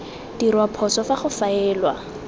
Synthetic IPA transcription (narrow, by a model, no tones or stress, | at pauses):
d̥irwapʰɔsɔfaχʊfaɛːlwa